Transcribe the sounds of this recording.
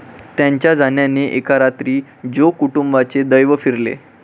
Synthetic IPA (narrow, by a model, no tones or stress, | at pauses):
t̪jaɲt͡ɕjad͡zʱanjaneʔekaɾat̪ɾiː | d͡ʑokuʈumbat͡sed̪əjʋəfiɾlḛ